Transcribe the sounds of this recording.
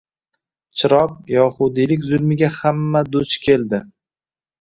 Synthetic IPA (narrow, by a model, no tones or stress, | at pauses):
t͡ʃʰɪɾɒp̚jɒhʊd̪ilɪkʲzʊlˠmɪɡʲahamːad̪ʊt͡ʃkʲʰe̞ld̪ɪ